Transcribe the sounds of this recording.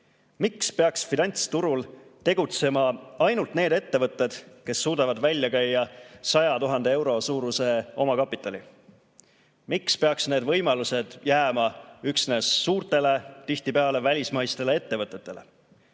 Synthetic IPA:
mikspe̞ɑksfinɑnʲt̪st̪uɾult̪e̞ɡ̥ut̪se̞mɑɑjnult̪ne̞ːd̪e̞t̪ːe̞vɤt̪ːˑe̞d̪̥ke̞sːuːd̪ɑvɑd̪vælʲjɑkæjːɑsɑjɑt̪uɦɑnd̪ee̞wɾo̞suːɾuse̞o̞mɑkɑpːˑit̪ːˑɑlʲḭ | mikspe̞ɑksne̞ːd̪vɤ̞jmɑluse̞d̪̥jæːmɑyksne̞ːsːuːrt̪e̞le̞t̪iht̪ipe̞ɑle̞vælʲismɑjst̪e̞lee̞t̪ːe̞vɤt̪ːˑe̞t̪ːˑe̞le̞̰

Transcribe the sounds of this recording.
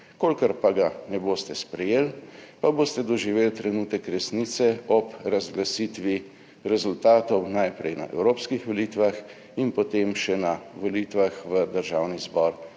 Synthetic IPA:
kolkəɾpaɡanɛboːst̪ɛspɾɛjeːlpaboːst̪ɛd̪ɔʒiʋeːlt̪ɾɛnuːt̪ɛkɾɛsnit̪sɛɔpɾazɡlasit̪ʋi | ɾɛzult̪aːt̪ɔwnajpɾɛjna̰ʔɛ̰wɾoːpskixʋoliːt̪ʋax | inpɔt̪emʃɛnaʋolit̪ʋaxʋəd̪əɾʒaːwnizbɔɾ

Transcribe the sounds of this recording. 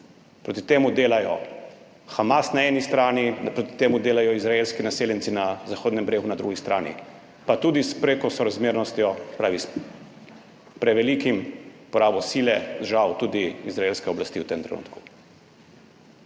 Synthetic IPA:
pɾoːt̪it̪eːmud̪eːlajɔ̰ | xamasnaɛːnist̪ɾaːninpɾot̪i̥t̪eːmud̪eːlajɔizɾaeːlskinaseːljɛnsinazaxoːd̪nɛmbɾeːɡunad̪ɾuɡist̪ɾaːnḭ | pat̪ud̪ispɾeːkɔsɔɾazmeːɾnɔst̪jɔsɛ̥pɾaːʋis | pɾɛʋɛlikimpɔɾaːbɔsiːlɛd̪ʒawt̪ud̪iizɾaelskɛɔblast̪iːwt̪emt̪ɾɛ̰nṵt̪ku̥

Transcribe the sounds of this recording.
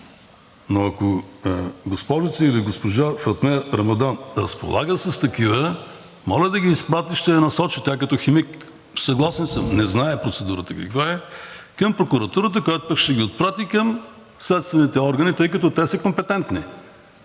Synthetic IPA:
noɐko | ɡospɔʒit̪səiliɡospoʒafɐt̪mɛɾɾɐmɐd̪anɾɐspo̰lˠa̰ɡəsəst̪ɐkivə | mɔləd̪ɐɡʲiːspɾat̪iʃt̪ɛɛnɐsɔt͡ʃit̪ʲɛakɐt̪ɔximik | sɐɡlˠasɛnsəmnɛznaɛpɾot̪sɛd̪uɾət̪əkɐ̰kvaɛkɐmpɾokuɾɐt̪uɾət̪̬əkojat̪ʊpʃt̪ɛɡʲiot̪̚pɾat̪ikɐm | slɛt̪st̪vɛnit̪ɛɔɾɡɐnit̪ɤjkɐt̪ɔt̪ɛsəkompɛt̪ɛnt̪ni

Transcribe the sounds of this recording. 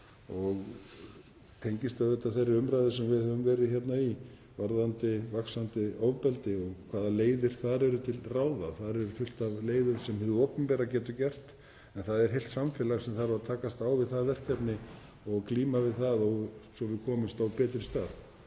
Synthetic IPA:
ɔɣ | t̪ʰejɲcɪst̪ʏaðɛht̪ːaθejrːɪʏmɾajðɪsɛmvɪðhɛvʏmvɛːɾɪçjɛt̪nai | vaɾðant̪ɪvaksant̪ɪoːwvpɛlt̪ɪɔɣkʰvaːðaleːjðɪɾ̥θaðɾɛɾʏt̪ʰɪlraːwðaθaðɾɛɾʏfʏl̥t̪avleːjðʏɾsɛmhɛðʏopʏmpɛːɾacɛːt̪ʏcɛr̥t̪ | ɛnθaðɛɾ̥ɦejlt̪samfɪlaɣsɛmθaɾavat̪ʰaːkast̪aːwvɪðθaðvɛr̥kapnɪ | ɔɣkliːmavɪðθaðɔɣsɔvɪðkʰɔːmʏmst̪awpɛːt̪ɾɪ̥st̪aːð

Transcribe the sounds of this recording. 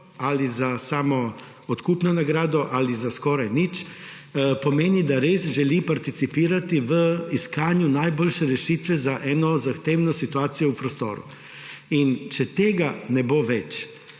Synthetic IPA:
alizasaːmɔ | ɔt̪kuːpnɔnaɡɾaːd̪ɔʔalizaskɔːɾajnit͡ʃ | pɔmeːnid̪aɾesʒɛlipaɾt̪it̪sipiːɾat̪iʋəiskaːnjunajboːlʃɛɾɛʃiːt̪ʋɛzaʔɛːnɔzaxt̪eːwnɔsit̪uaːt̪sijɔupɾɔst̪o̰ːɾṵ | int͡ʃɛt̪eːɡanɛboʋɛt͡ʃ

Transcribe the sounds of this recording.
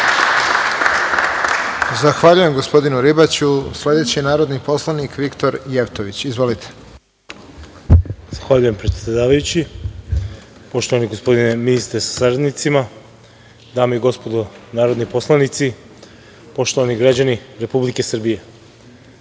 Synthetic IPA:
zaxʋaʎuje̞mɡo̞spo̞d̪inuɾibat͡ɕusle̞d̪e̞t͡ɕinaːɾod̪nipo̞slˠanikʋikt̪o̞ɾje̞ʋt̪oʋit͡ɕizʋo̞lit̪ʰe̥ | z̥axʋaʎujempɾet̪sʲed̪od̪aːʋajut͡ɕi | po̞ʃt̪o̞ʋaniɡospo̞d̪ineminist̪ɾesḁsaɾad̪nit̪sima | d̪aːmoiɡo̞spod̪onaːɾo̞d̪nipo̞slˠanit̪si | po̞ʃt̪oʋaniɡɾad͡ʑaniɾe̞publike̞sr̩bije̞

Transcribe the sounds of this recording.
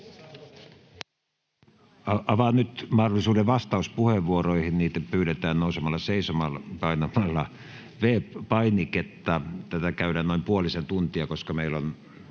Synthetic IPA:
ɑʔɑʋɑnyt̪mɑhdolːˑisuːdeʋʋɑst̪ɑˑuspuheʋʋuoroihinniːt̪æpyːɾet̪æːnnoˑusemɑlːɑseisomɑlpɑinɑmɑlːɑ | ʋeːppɑiniket̪ːɑt̪æt̪ækæyɾæːnoimpuolisent̪unt̪iɑkoskɑmeilːon

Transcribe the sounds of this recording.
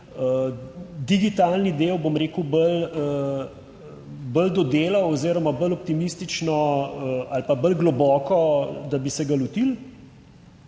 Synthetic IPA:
ə | d̪iɡit̪alnid̪ewbomɾeːkəwbələ | bəld̪ɔd̪eːlawɔziːɾɔmabəlɔp̚t̪imist̪it͡ʃnɔəalpabəlɡlɔbɔːkɔd̪abisɛɡalut̪il

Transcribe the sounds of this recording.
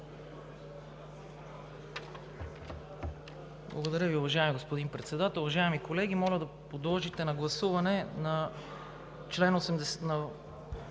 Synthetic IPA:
blˠɐ̰ɡod̪ɐɾʲjəviʊvɐʒaɛmiɡospod̪inpɾɛt̪sɛd̪at̪ɛlˠʊvɐʒaɛmikolɛɡ̟imɔlʲəd̪ɐpod̪lˠɔʒit̪ɛnɐɡlˠɐsuvɐnɛnɐ | t͡ʃlɛnosɛmd̪ɛsnɐ

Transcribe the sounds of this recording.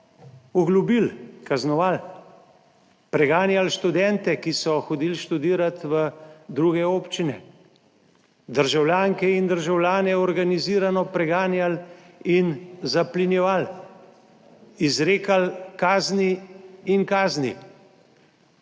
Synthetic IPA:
ɔɡlubilkaznɔʋal | pɾɛɡaːnjalʃt̪ud̪ɛnt̪ɛkisɔxɔd̪iːlʃt̪ud̪iːɾat̪ʋəd̪ɾuːɡɛoːpt͡ʃinɛ | d̪əɾʒawljaːŋkɛind̪əɾʒawljaːnɛɔɾɡaniziːɾanɔpɾɛɡaːnjal | inzaplinjɛʋal | izɾeːkalkaːzniinkaːznḭ

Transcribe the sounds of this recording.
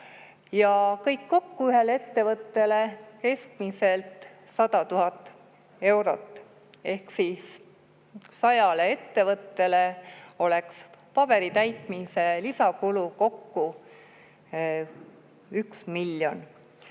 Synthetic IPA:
jɑkɤjkːo̞kːuyɦe̞le̞t̪ːe̞vɤt̪ːe̞le̞ke̞sk̪̚mise̞lt̪ | sɑd̪̥ɑt̪uɦɑt̪ːˑ | e̞wɾo̞̰t̪ːˑ | e̞hksisː | ɑjɑlee̞t̪ːe̞vɤt̪ːe̞le̞o̞lekspɑb̥e̞ɾit̪æjt̪ˑmise̞lisɑkuluko̞kːu | yksmilːjo̞n

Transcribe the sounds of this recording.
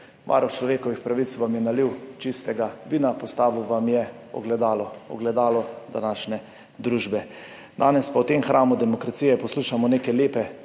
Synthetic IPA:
mʔa̰ɾɔwt͡ʃlɔʋeːkɔʋixpɾaʋit̪sʋamjɛnaliwt͡ʃist̪ɛɡaʋiːnapɔst̪aːʋuʋamjɛ | ɔ̰ɡlɛd̪aːlɔɔ̰ɡlɛd̪aːlɔd̪a̰naːʃnɛ | d̪ɾuːʒbɛ | d̪aːnɛspawt̪emxɾaːmud̪ɛmɔkɾat̪sijɛpɔsluːʃamɔneːkɛleːpɛ

